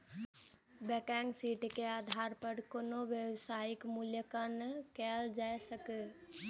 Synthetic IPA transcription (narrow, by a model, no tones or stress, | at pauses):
bɛkɛŋɡsiʈkead̪ʱaɾpəɽkonoʋjəwsaikmuljəkənkɛld͡ʒajsəkɛ